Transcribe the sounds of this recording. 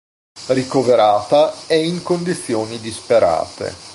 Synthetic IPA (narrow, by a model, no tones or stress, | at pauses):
rikoveɾaːt̪aɛiŋkond̪it̪sːjoːnid̪ispeɾa̰ːt̪ḛ